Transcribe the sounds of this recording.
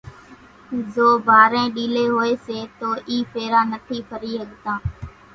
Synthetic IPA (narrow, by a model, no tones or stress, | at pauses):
zoːbʱaːɾẽːɗiːleːɦoːeːseːt̪oːʔiːpʰeːɾãːnət̪ʰiːpʰəɾiːɦəɠt̪ãː